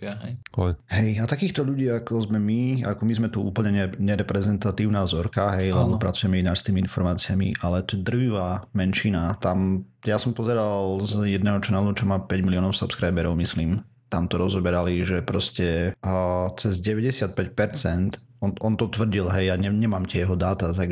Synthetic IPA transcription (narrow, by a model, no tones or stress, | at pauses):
ɦɛjɔjɦɛjat̪akiːxt̪ɔʎuɟiːakɔzmɛmiakɔmizmɛt̪uṵːpl̩ɲɛɲɛɲɛɾɛpɾɛzɛnt̪at̪iːʊnaːzɔɾkaɦɛjlɛb̪ɔpɾat͡sujɛmɛinaːɾst̪iːmiinfɔɾmaːt͡siamḭʔalɛt̪ɔɛd̪r̩ʋiʋamɛnʃinat̪am | jasɔmpɔzɛɾalzjɛd̪nɛːɦɔt͡ʃɔnalut͡ʃɔmaːpɛɟmiliɔːnɔʊsupskɾajbɛɾɔʊmisliːm | t̪amt̪ɔɾɔzɔbɛɾaliʒɛpɾɔscɛ | t͡sɛzɟɛʋɛɟɛsɪat̪̚pɛcpɛɾt͡sɛnt̪ | ɔnɔnt̪ɔt̪ʋr̩ɟilɦɛjaɲɛɲɛmaːmcɛjɛɦɔd̪aːt̪at̪aɡ